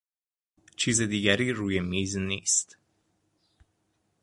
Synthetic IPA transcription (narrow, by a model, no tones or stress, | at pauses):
t͡ʃizɛd̪ijɛɾiɾujɛmizənist̪